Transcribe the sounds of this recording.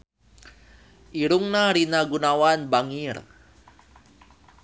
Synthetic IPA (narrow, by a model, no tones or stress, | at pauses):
ʔiɾuŋnaɾinaɡunawanbaŋir